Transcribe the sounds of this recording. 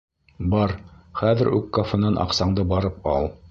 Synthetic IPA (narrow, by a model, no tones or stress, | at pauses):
bɑɾχæðɘɾʉ̰kːofŏnɑnʔɑ̰qsɑɴd̪ɤbɑɾɤpɑlˠ